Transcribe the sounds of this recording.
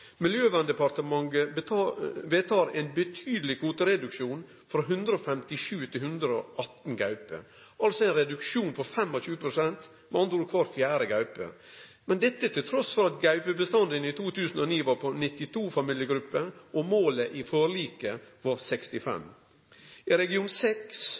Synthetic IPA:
mɪljøːʋɑnd̪əpɑɾt̪əmɑŋɡə | ʋet̪ʰɑːɾɛnbət̪ʰyːd̪əlɪkʰuːt̪əɾɛd̪ʉkʂuːn | fɾɑɦʉnd̪ɾəɔfɛmt̪ɪʂʉːt̪ʰɪlhʉnd̪ɾəoʔɑt̪n̩ɡɑʉpə̰ | ʔɑlsɔɛɪnɾɛd̪ʉkʃuːnpɔɾfɛmːɔɕʉːəpʰɾʊsɛnt̪ | mɛɑnt̪uːɾkʰʋɑːɾfjæːɾəɡɑʉpə̰ | mɛnd̪ɛt̪ːət̪ʰɪlt̪ʰɾɔsfɔɾɑt̪ɡɑʉpəbəst̪ɑnd̪ənɪt̪ʰuːt̪ʰʉːsn̩ɔniːʋɑɾpʰɔnɪt̪ːɪt̪ʰuːfɑmɪljəɡɾʉpːəʔɔmoːləʔɪfoːɾɭiːkəʋɑɾsɛkst̪ɪfɛ̰m | ɪɾɛɡɪuːnsɛks

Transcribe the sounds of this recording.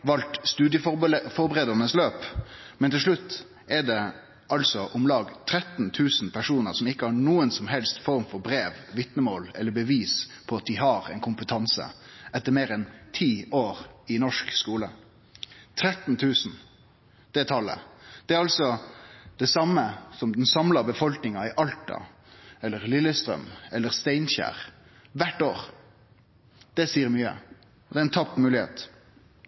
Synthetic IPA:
ʋɑlt̪st̪ʉːd̪jəffɔɾbəʁeːd̪əɾnəsløːpmɛnt̪ɪlʂɭʉt̪ː | ɛɖ̪ɛ | ʔɑlsɔʔʊmlɑːɡt̪ʰɾɛt̪n̩t̪ʰʉːsn̩pʰæʂuːnəɾsɔmɪkːəhɑɳuːənsɔmɦɛlst̪fɔɾmfɔɾbɾeːʋʋɪt̪nəmoːlɛ̰lːəbəʋiːspʰɔɑt̪̚d̪ɪɦɑːɾɛɪnkʰʊmpət̪ʰɑnsə̰ʔɛt̪ːəɾmeːɾɛnt̪ʰiːoːɾɪnɔʂkskuːlə | t̪ʰɾɛt̪n̩t̪ʰʉːsn̩ | d̪̥ɛt̪ʰɑlːə̰d̪̥ɛæɾɑlsɔd̪̥ɛsɑməsɔmd̪ɛnsɑmlɑbəfɔlknɪŋɑɪʔɑlt̪ɑ̰ | ɛlːəɾlɪlːəst̪ɾœ̰mɛlːəɾst̪æɪnçæ̰ːɾ | ʋæʈːoːɾ | d̪̥ɛsiːəɾmyːə̰ | ɔd̪ɛɾɛɪnt̪ʰɑpːmʉːlɪhḛːt̪

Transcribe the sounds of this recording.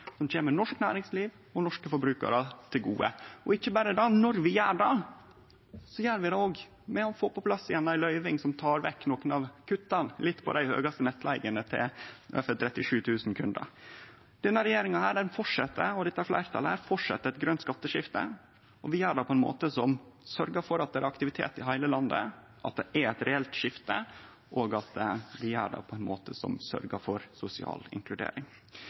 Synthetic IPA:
sɔmc͡çeːməɾnɔʂknæːɾɪŋsliːʋ | ɔnɔʂkəfɔɾbɾʉːkɑ̰ɾət̪ʰɪlɡṵːə̰ɔɪçːəbɑɾəd̪ɑnɔɾʋɪjæːɖɑ | sɔjæːɾʋɪd̪ɑoːɡ | mɛɔfoːpɔpʰlɑsːɪjɛnːɑɪlœʏʋɪŋsɔmt̪ʰɑːɾʋɛ̰kːnoːknɑʋkʰʉt̪ːɑnlɪt̪ːpʰɔ̰d̪æɪhø̰ːɡɑst̪ənɛt̪ːlʔæɪɡənət̪ʰɪ̰lø̰ːfət̪ʰɾɛt̪ːɪʂʉːt̪ʰʉːsn̩kʰʉnd̪ə̰ | d̪̥ɛnːəɾɛjeːɾɪŋɑhæːɖɛnfɔʈʂɛt̪ːəɔd̪ɛt̪ːæɾflæ̰ɪɾt̪ʰɑləhæːɾfɔʈʂɛt̪ːəɾɛt̪ɡɾœnt̪skɑt̪ːəʂɪft̪ə̰ | ɔʋɪæːɖɑːpʰɔɛnmo̰ːt̪əsɔmsœɾɡəfɔɾɑt̪̚d̪ɛæɾɑkt̪ɪʋɪt̪ʰḛːt̪ɪɦæɪləlɑnd̪ə̰ | ʔɑt̪̚d̪ɛʔæɾæɪt̪ɾɛɛlt̪ʂɪft̪ə | ʔoːɡɑt̪ʋɪæ̰ɖɑ̰ːpʰɔɛɪnmo̰ːt̪əsɔ̰msœ̰ɾɡəfɔɾsʊsɪɑ̰ːlɪ̰ŋklʉd̪ḛːɾɪŋ

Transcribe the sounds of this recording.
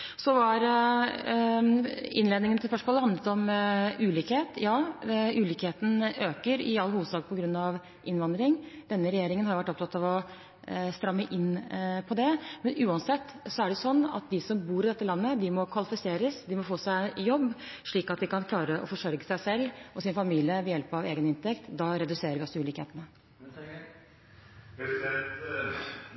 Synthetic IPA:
sɔʋɑɾ | ɪnleːd̪nɪŋənt̪ʰɪlspœʂmoːləhɑnd̪ət̪ɔmʉːliːkheːt̪jɑːʉːliːkheːt̪n̩øːkəɾɪɑlːhuːʋəd̪sɑːɡ̚pʰɔɡɾʉnːɑʋ | ʔɪnʋɑnd̪ɾɪŋd̪̥ɛnːəɾɛjeːɾɪŋənhɑɾjʊʋæʈːɔpt̪ʰɑt̪ɑʋɔ | st̪ɾɑmːəʔɪnːpʰɔd̪ɛmɛnʉːɑnsɛt̪ːsɔæɖɛjʊsɔnːɑ̰t̪̚d̪ɪsɔmbuːɾɪd̪ɛt̪ːəlɑnːəd̪ɪmɔkʰʋɑlɪfɪseːɾəsd̪ɪmɔfoːsæɪjɔbːʂɭiːkɑt̪̚d̪ɪkɑnkʰlɑːɾəʔɔ̰fɔʂœɾɡəsæɪsɛlːɔsɪnfɑmiːlɪəʋɛjɛlpɑʋeːɡənɪnt̪ɛkt̪d̪ɑɾɛd̪ʉseːɾəɾʋɪɔsəʉːliːkhḛːt̪ənə

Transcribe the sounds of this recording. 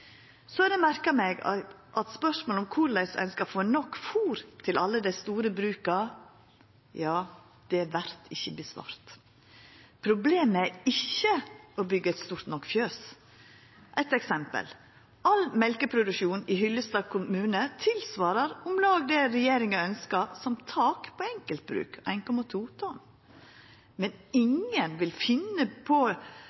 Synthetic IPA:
sɔɛd̪ɛmæɾkəmeːɡɑ | ʔɑt̪spœʂmoːlʊmkʰʊɾlæɪsɛ̰nskɑfoːnɔkːfuːɾt̪ʰɪlʔɑlːəd̪æɪst̪uːɾəbɾʉːkɑ | jɑː | d̪̥ɛæʋæɾt̪ʰɪçːəbəsʋɑ̰ːɾt̪ | pʰɾʊbleːmæɾɪçːəʔɔbʏɡəɛɪt̪st̪uːɾt̪nɔkːfjøːs | ʔɛɪt̪ɛksɛmpə̰l | ɑlmɛlkəpʰɾʊd̪ʉʃuːnɪhʏlːəst̪ɑːɡ̚kʰʊmʉːnət̪ʰɪlsʋɑːɾəɾʊmlɑːɡd̪ɛɾɛjeːɾɪŋɑœnskɑsɔmt̪ʰɑːkpʰɔɛŋkəlt̪̚bɾʉ̰ːkʰʔæɪnkɔmɑt̪ʰuːt̪ʰɔn | mɛnɪŋənʋɪlfɪnːəpʰɔ

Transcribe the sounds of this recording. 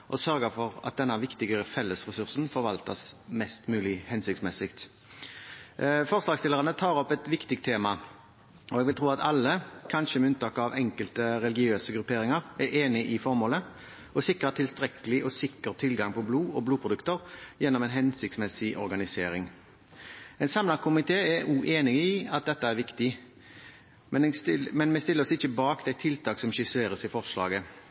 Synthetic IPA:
ʔɔsœʁɡəfɔʁɑ̰t̪̚d̪ɛnːɑʋɪkt̪ɪɡəfɛlːəsʁɛsʉʁsn̩fɔʁʋɑlt̪əsmɛst̪mʉːlɪhɛnsɪk̚tsmɛsɪkt̪ | fɔʁslɑːɡst̪ɪlːəʁənət̪ʰɑːʁɔpːɛt̪ʋɪkt̪ɪk̚t̪ʰeːmɑ | ʔɔɛɡʋɪlt̪ʰʁuːɑt̪ʰɑlːəkʰɑnʃəmɛʉnt̪ɑːkɑʋɛŋkəlt̪əɾɛlɪɡɪøːsəɡɾʉpʰeːɾɪŋəʁæʁeːnɪʔɪfɔʁmoːlə | ɔsɪkɾət̪ʰɪlst̪ɾɛkəlɪʔɔsɪkːəʁt̪ʰɪlɡɑŋpʰɔbluːɔbluːpʰɾʊd̪ʉkt̪əɾjɛnːɔmɛnɦɛnsɪk̚t̪smɛsɪʔɔ̰ɾɡɑnɪsḛːɾɪŋ | ɛnsɑmlɑkʰʊmɪt̪ʰeːɛʉːʔeːnɪɪɑt̪̚d̪ɛt̪ːəæɾʋɪkt̪ɪ | mɛmɛnmɛst̪ɪlːəɾɔsɪçːəbɑːkd̪ɛɪt̪ʰɪlt̪ʰɑːksɔmʃɪsleːʁəsɪfɔʁʂlɑ̰ːɡə

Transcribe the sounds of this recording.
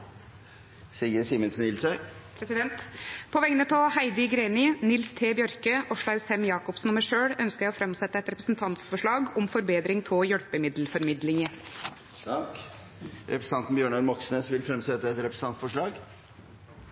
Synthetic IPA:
siːəɾsiːmənsnɪlsœʏpʰɾɛsɪd̪ɛnt̪pʰɔʋɛŋənət̪ʰɔhæɪd̪ɪɡɾeːnɪnɪlst̪ʰeːbjœɾkəʔɔʂɭɑʉsɛmjɑːkɔpsn̩ɔməʂøːɽœnskəɾjæɪɔfɾɛmsɛt̪ːəɛt̪ɾɛpɾəsnt̪ʰɑnt̪sfɔʂɭɑːɡɔmfɔɾbeːd̪ɾɪŋt̪ʰɪjœɽpəmɪd̪lfɔɾmɪd̪lɪŋə | ɾɛpɾəsəɑnt̪n̩bjøːɳɑlmɔksnesʋɪlfɾɛmsɛt̪ːəɛt̪ɾɛpɾəs̩n̩ɑnt̪sfɔʂɭɑːɡ

